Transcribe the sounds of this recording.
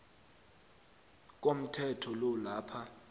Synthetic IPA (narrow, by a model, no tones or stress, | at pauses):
k̬ʼom̩tʰɛtʰɔlɔlaːpʰa